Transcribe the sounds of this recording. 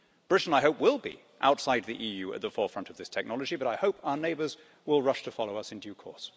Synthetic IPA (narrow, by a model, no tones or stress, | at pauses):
b̥ɹɪtn̩aɪɦoʊpwɪlˠbḭ | ʔa̰ʊtsaɪd̪̚ðiʔijʉɨ̰t̪̚ðəfɔɹfɹʌ̃ntʌvðɪstʰɛk̚nɑlˠəd͡ʒibʌɾaɪhoʊpʰaʊə˞neɪbə˞z | wɪlˠɹʌʃtʰəfɑlˠoʊʌsɨ̃ndjʉkʰɔ̰ɹs